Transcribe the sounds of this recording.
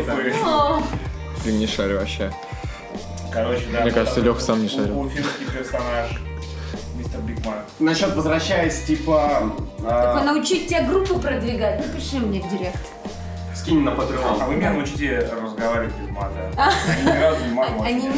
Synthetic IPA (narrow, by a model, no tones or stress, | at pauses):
t̪kojo | p̪ʲimnʲɪʂaɾʲɐɕːa | kɐɾot͡ɕɪd̪anʲɲekaʐt̪səlʲoxkə̥samnʲɪʂaɾʲfʲimmskʲijpʲɪrsɐnaʂ | mʲist̪ərblʲikman | nɐɕːot̪vəzɾɐɕːæjɪsʲtʲipə | onəʊt͡ɕitʲtʲːəɡɾupːɨpɾəd̪vʲɪɡat̚ʲnupɾʲɪt͡ɕlʲimnʲeɡdʲɪɾʲekt̪ə̥ | skʲinʲɪnəpət̪ɾɨoxɐvɨmʲɪnʲanəʊt͡ɕitʲɪɪrəzɡɐvaɾʲɪʋɪtʲnʲɪtʲmad̪aɡazmaɐnʲi